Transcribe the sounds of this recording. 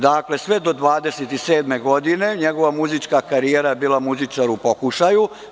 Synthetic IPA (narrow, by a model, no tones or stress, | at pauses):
d̪akle̞sʋed̪o̞d̪ʋaːd̪e̞set̪iseːd̪me̞ɡo̞d̪ine̞ɲeɡo̞ʋamuzit͡ʃkakaɾijeɾajebiːlˠamuzit͡ʃaɾupo̞kuʃaju